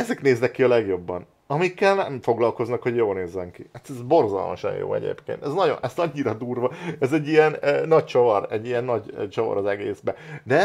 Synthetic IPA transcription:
ɛzɛkneːznɛkːiɒlɛɡjo̞bːɒn | ɒmikːɛlnɛmfo̞ɡlɒlko̞znɒkho̞ɟjoːlneːzːɛŋkihat̪ɛzbo̞rzɒ̰lmɒ̰ʃɒ̰njo̰ːɛ̰ɟḛːpkḛːnt̪ɛznɒɟo̞̰nʔɛst̪ɒɲːiɾɒd̪uːrvɒɛzɛɟːijɛnːɒct͡ʃovɒɾɛɟːijɛnːɒɟt͡ʃovɒ̰ɾɒzɛɡeːzbɛnɛ

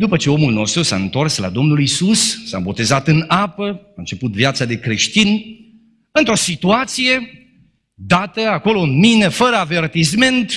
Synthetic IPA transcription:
d̪upət͡ʃe̞o̞mulno̞st̪ɾusa̰ɨnt̪o̞rsla̰d̪o̞mnulisusːa̰bo̞t̪e̞zat̪ɨnapəaɨnt͡ʃe̞put̪vjat̪sad̪e̞kɾe̞ʃt̪in | ɨnt̪ɾo̞sit̪uat̪sije̞ | d̪at̪əako̞lo̞ɨnmine̞fəɾəave̞rt̪isme̞nt̪

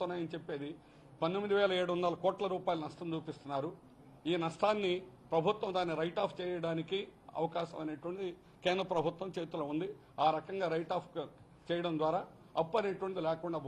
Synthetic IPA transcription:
unːaːjɐnit͡ʃepːe̞ːd̪i | pɐnd̪emːid̪iʋɛːlɐeːɽuʋɐnd̪ɐlɐkɔːʈlɐɾuːpaːjilunɐʂʈɐmt͡ʃuːpist̪unːaːɾu | iːnɐʂʈaːnːipɾɐbʱut̪ʋɐmd̪aːnːiɾɐjʈaːpʰt͡ʃɛːjɐɽaːnikiɐ̰ʋɐkaːʃɐmɐneːʈʋɐɳʈd̪i | kɛːnd̪ɾɐpɾɐbʱut̪wʋɐmt͡ʃeːt̪ulɐund̪i | aːɾɐkɐŋɡaːɾɐjʈaːpʰk | t͡ʃɛːjɐɽɐnd̪ʋaːɾaː | ɐpːɐneːʈuʋɐɳd̪ilɛːkuɳɖaː

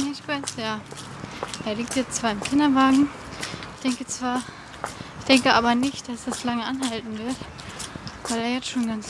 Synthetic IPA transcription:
nɛçb̥aɪsjaː | ʔeːɐliːk̚tjɛt͡stt͡sv̥aːɐɪmkʰɪndɐvaːɡŋ̩ | ɪçd̥ɛŋkət͡sv̥aːɐ | ɪçd̥ɛŋkəʔaːbɐnɪçt̚d̥asd̥aslaŋəʔanɦaltn̩vɪɐt | v̥aɪleːɐjɛt͡stʃoːnɡant͡s

